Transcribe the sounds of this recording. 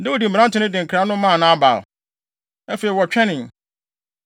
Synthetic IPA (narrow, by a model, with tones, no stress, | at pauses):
dɪ˦wɔ˨di˨m̩˨bã˦n˦tʊ̃˨˦nɪ̃˦dɪ̃˨ŋ˨kʰɾa˨˦nʊ̃˦mã˦˨nã˦a˦ba̰˨l | æ˦fe˨ɾi˨wɔ˨t͡ɕᶣʰɛ˦nɪ̃˨